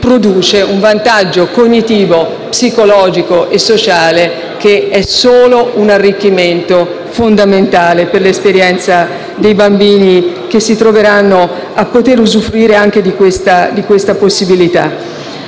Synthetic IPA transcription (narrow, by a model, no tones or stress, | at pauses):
pɾod̪uːt͡ʃeuɱvant̪ad͡ʒːokoɲːit̪iːvo | psikolɔːd͡ʒikoʔesːot͡ʃaːle | keɛsoːlounarːikːiment̪o | fond̪ament̪aːleperlespeɾjɛnt̪sa | d̪ejbambiːnik̟esːit̪ɾoveɾanːo | apːot̪eɾuzufːɾiːɾeaŋk̟ed̪ikwest̪ad̪ikwest̪aposːibilit̪a̰